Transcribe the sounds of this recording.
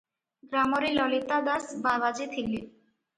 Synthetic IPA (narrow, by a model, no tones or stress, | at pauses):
ɡɾamoɾilɔlit̪ad̪asbabad͡ʑet̪ʰekli